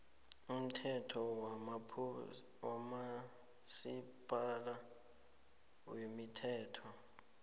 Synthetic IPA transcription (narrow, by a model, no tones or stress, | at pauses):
um̩tʰɛtʰɔ | wama | sib̥ʱʼala | wemitʰɛːtʰɔ